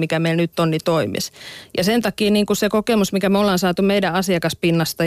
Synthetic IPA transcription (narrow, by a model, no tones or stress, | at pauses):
mikæmeilnyt̪ːonnit̪oimḭsjɑsent̪ɑkiːniːŋkusekokemusmikæmolːɑnsɑːt̪umeidæɑsiɑkɑspinːɑst̪ɑ